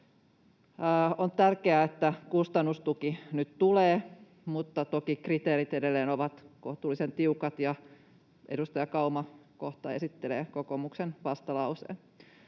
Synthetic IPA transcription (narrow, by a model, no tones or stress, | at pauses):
ont̪ærkeæet̪ːækust̪ɑnːust̪ukinyt̪t̪uleː | mut̪ːɑt̪okikrit̪eːɾit̪edelːeːnoʋɑt̪koht̪uːlːˑisent̪iukɑt̪jɑ | ʔedust̪ɑjɑkɑumɑkoht̪ɑesit̪ːeleːkokomuksenʋɑst̪ɑlɑusḛː